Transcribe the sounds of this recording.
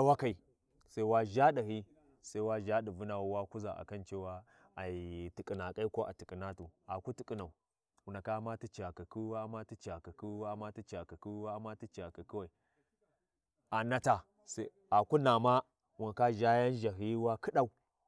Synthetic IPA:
a˦wa˦ka˨i˨ | sa˦i˦wa˦ʒa˦ɗa˨ɦi˦ | sa˦i˦wa˦ʒa˦ɗi˨vu˦na˨wwa˦ku˦za̰˨ʔa̰˨ka˦nt͡ʃe˦wa˦ | a˨i˨ti˨kʼi˨na˨kʼa˦ko˦ʔa̰˨ti˨kʼi˨na˦tu˨a˨ku˦ti˨kʼi˨na˨u˨ | u˨na˨ka˦ma˦ti˦t͡ʃi˨a˨ka˨ku˦wa˦ma˦ti˦t͡ʃi˨a˨ka˨ku˦wa˦ma˦ti˦t͡ʃi˨a˨ka˨ki˦wa˦ma˦ti˦t͡ʃi˨a˨ka˨ki˦wa˨i˨ | a˨na˦ta˨ | sa˦ | a˨ku˦na˨ma˦ | wu˨na˨ka˦ʒa˦ja˦n˦ʒa˨ɦi˦wa˦ki˦ɗa˦u˦

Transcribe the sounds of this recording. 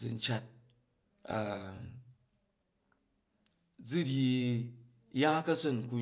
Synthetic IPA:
d͡zɨ˧n̩˦t͡ʃa˨t̚ | a˨ | d͡zu˦ɾʲi˧ | ja˦kɐ˦sɨ˦˨nku˧

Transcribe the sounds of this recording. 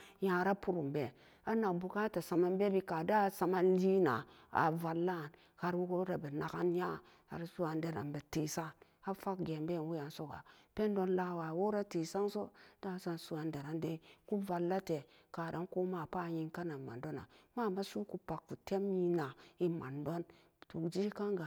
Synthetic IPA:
jã˨ɾa˦pu˦ɾu˨mbe˨ | a˦na˨kbu˨ka˦ta˨sa˨ma˦nbe˦bi˦ka˨da˦˨sa˨ma˦nli˦na̰˨a̰˨va˨lːa˦˨n | ha˨ɾwu˦ko˦ɾa˨bə˨na˨ka˦nja˦ | ha̰˨ɾsu˦wa˨nde˨ɾa̰˨nbe˨te˨sa˦˨ | a˦fa˦kɡe˨mbe˦˨nwu˦ja˨nso˦ɡa̰˨pe˦ndo˦nla˦wa˨wo˦ɾa˦te˨sa˦ŋso˦d̥a˦˨˦sa˦nsu˨a˨nde˨ɾa˨nde˦ku˦va˨lːa˦te˨ | ka˨da˨˦nko˦ma˦˨pa˦˨ji˦ŋka˦na˨ma̰˨ndo˦na̰˨ma˦˨ma˦su˦ku˦pa˨kku˨te˦mji˦na˨i˦ma̰˨ndo˦n | tu˨kd͡ʒi˦ka˦ŋɡa˨

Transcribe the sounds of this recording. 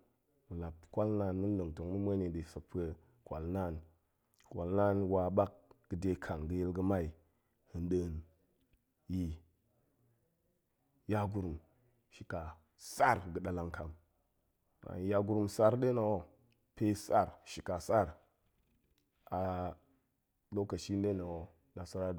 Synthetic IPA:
mə˨la˨p̚kʷa˦lna˦nmə˦n˦lə˨ŋto˨ŋmə˦mə˦ne˨də˨sə˨k̚pə˦ | kʷa̰˨lna˦˨n | kwa˨lna˦nwa˨ɓa˦k̚ɡ̥ə˨de˦kʰa˨ŋɡə˨je˦lɡə˦ma˦i˨ | hɨ˨nɗə˨n | ji˨ | ja˦ɡu˦ɾu˨m | ʃi˨ka˨ | sa˦ɾɡə˨ɗa˨la˦ŋkʰa˨m | a̰˨ja˦ɡu˦ɾu˦msa˦ɾɗe˦na˨wo˦ | pe˦sa˦˨ɾʃi˨ka˨sa˦ɾ | a˨ | do˦ka˨ʃi˦nde˦na˨wo˦ | na˨sa˦ɾa˦˨

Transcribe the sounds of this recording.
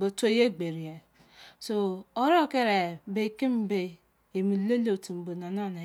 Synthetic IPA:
bo˨to˦je˦ɡ͡be˨ɾi˨e˨ | so˨o˦ɾo˦˨ke˦ɾe˨be˦ki˦m̩˦be˦ | e˨mi˨˦le˦lo˨tu˨m̩˨bo˨na˨nɔ˦˨na˨

